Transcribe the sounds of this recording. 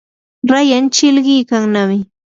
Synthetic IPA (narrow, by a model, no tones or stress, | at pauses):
ɾajant͡ʃɪlɢɪːkaŋnamɪ